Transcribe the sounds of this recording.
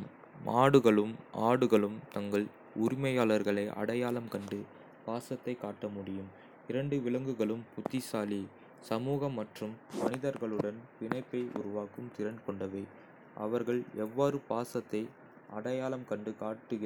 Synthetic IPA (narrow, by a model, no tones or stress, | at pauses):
aːɽɯɣɐɭɯmaːɽɯɣɐɭɯmt̪ɐŋɡɐɭ | ʊɾɪmɐjaːɭɐɾɣɐɭɐɪʔɐ̰ɽɐjaːlɐmkɐɳɖɯ | paːsɐt̪ːɐɪkːaːʈːɐmʊɽɪjɯm | ɪɾɐɳɖɯʋɪɭɐŋɡɯɣɐɭɯmpʊt̪ːɪsaːli | sɐmuːɣɐmːɐʈrɯmːɐnɪðɐɾɣɐɭɯɽɐnpɪnɐɪpːɐɪʔʊ̰ɾʊʋaːkɯmt̪ɪɾɐnkɔɳɖɐʋɐɪ | ʔɐ̰ʋɐɾɣɐɭɛʋːaːɾɯpaːsɐt̪ːɐɪ | ɐɽɐjaːlɐmkɐɳɖɯkaːʈːɯɣ